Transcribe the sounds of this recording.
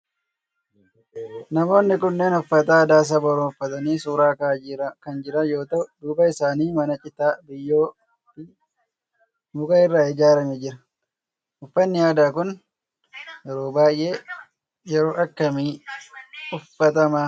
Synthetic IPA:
nɐmo̞ːnːɪkʊnːe̞ːnʊfːɐt̪aːd̪aːs̬ɐbɐɾoʊfːɐt̪ɐniːsuːɾaːkakɐnd͡ʒɪɾɐjo̞ːt̪ɐd̪uːbɐɪsaːniːmɐnɐt͡ʃʼɪt̪aːbɪjːoː | ɪ | mʊkʼɐɪrːaːɪd͡ʒaːɾɐmɛd͡ʒɪɾɐ | ʊfːɐnːɪjaːd̪aːkʊn | jɛɾoːbaːjʔeː | jɛɾo̞ːʔɐkːɐmi | ʊfːɐt̪ɐmaː

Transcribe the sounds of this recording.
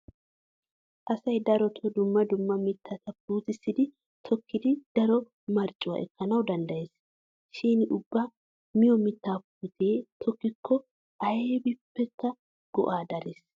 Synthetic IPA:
ʔɐsɐjd̪ɐɾɔt̪ʰɔd̪ʊmːɐd̪ʊmːɐmɪt̪ʰːɐt̪ɐpːuːt̪ɪsːɪd̪ɪ | t̪ʰɔkːɪd̪ɪd̪̥ɐɾɔ | mɐɾt͡ʃʼːʊwɐ̰ʔɛkːɐnɐwd̪ɐnd̪ɐjeːs | ʃiːnʔʊbːɐ | mɪjɔmɪt̪ːaːpuːt̪ʰeːt̪ʰɔkːɪkʰːɔ | ʔɐjeːbɪpːɛkːɐ | ɡ̥ɔ̰ʔaːd̪ɐlɪs

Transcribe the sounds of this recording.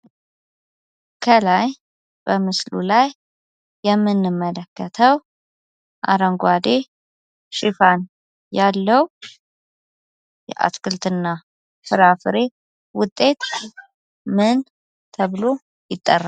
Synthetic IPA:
kʰəlaj | b̥əmɨslṵlajː | ɛmːɨnːɨmːələkːət̪ʰəw | ʔa̰ɾəŋɡʷad̪e̞ | ʃɪfan | jalːəw | jɛ̰ʔa̰skɨlt̪ɨnːa | fɨɾafɨɾe̞ | wʊt̪ʼːe̞t̪ | mɨn | t̪ʰəβlo | jɪt̪ʼːərːa

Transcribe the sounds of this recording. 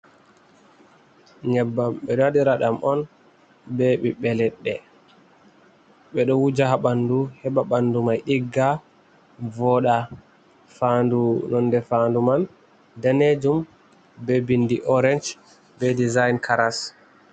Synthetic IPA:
ɲɛbːamɓɛɗɔadiɾaɗamʔɔn | beɓiɓɛlɛɗːɛ | ɓɛɗɔwud͡ʒaɦaɓanduhɛɓaɓandumajɗiɡːa | vɔɗa | fandunɔndɛfanduman | daned͡ʒum | bɛbindiʔɔɾɛnd͡ʒ | bɛdizajnkʰaɾas

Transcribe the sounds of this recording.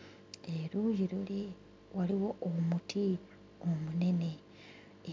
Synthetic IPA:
eɾujiɾule | waliwoomutʰi | omune̞ne̞

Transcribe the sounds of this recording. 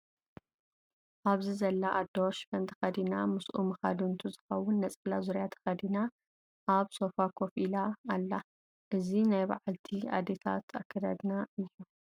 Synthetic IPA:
ʔaβzizɐlːaʔad̪oʃfɐnt̪ʰɨ̥xɐd̪inamɨsʔumɨxa̰d̪unt̪ʰuzɨxɐwːʊnːɐt͡sʼlazuɾjat̪ʰɐ̥xɐd̪ina | ʔaβso̞fakʰofilaːlːa | ʔɨzinajba̰ʕalt̪ʰia̰d̪et̪ʰa̰t̪ʰa̰kʰːɐd̪a̰d̪naɨjːu

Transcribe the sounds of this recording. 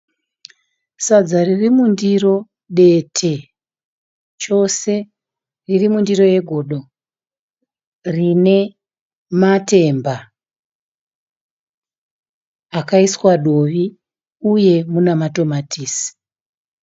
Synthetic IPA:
sad͡zaririmundiro̞ | ɗe̞tʰe̞ | t͡ʃo̞se̞ | ririmundiro̞je̞ɡʱo̞ːɗo̞ | rine̞ | mate̞mba | kaiswaɗo̞ʋi | uje̞munamato̞matʰiːsi̥

